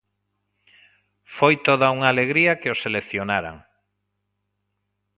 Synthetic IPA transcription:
fojt̪oðauŋaːleɣ̞ɾiɐkɪoselekθjonaɾa̰ŋ

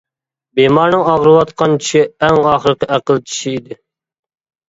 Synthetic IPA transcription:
bemɑɾnɨŋɑʁɾɨwɑt̪qʰɑnt͡ʃʰi̥ʃiɛŋɑːχəɾɨqəæqəlˠt͡ʃʰi̥ʃiid̪ɪ

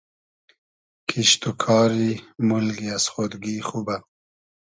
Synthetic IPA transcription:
kʰiʃt̪ukʰɑːɾimulɡiasχod̪ɡixuba

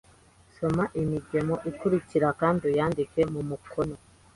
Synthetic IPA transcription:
so̞maʔimiɟe̞mo̞ʔikuɾiciɾakaːndijaːndikwe̞mumukʰo̞no̞

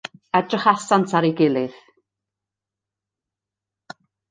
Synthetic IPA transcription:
ɛdrəχasantʰaɾiɡɪlˠɨð̥

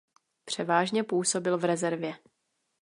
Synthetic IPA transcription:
pr̝̥ɛvaːʒɲɛpuːso̞bɪlvɾɛzɛɾvjɛ

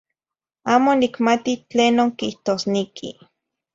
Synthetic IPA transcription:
aːmonikmat̪it͡ɬeːnoːŋkiht̪oːsnekʰḭ

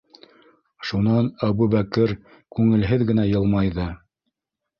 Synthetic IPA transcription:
ʃunɑnæβuβækɘɾ | kʉŋɘ̆lɦɘðɡɘ̆næjɤ̆lˠmɑjðɤ

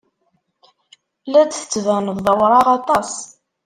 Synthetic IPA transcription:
læd̪θə̥t͡sːvænəððˤəwɾˤɑʁɑt̪ˤɑs

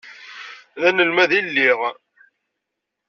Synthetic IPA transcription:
ðænəlmæðilːiʁ

